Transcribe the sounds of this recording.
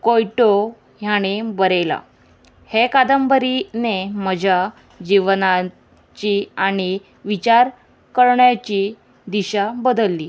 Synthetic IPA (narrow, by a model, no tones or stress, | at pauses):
kojʈo | ɦjaɽ̃ebəɾela̰ | hekad̪əmbəɾineməd͡ʑʱa | d͡ʑiʋna | t͡ɕiːaɽ̃i | ʋit͡ɕaɾ | kəɾɳjat͡ɕiː | d̪iɕabəd̪əlːiː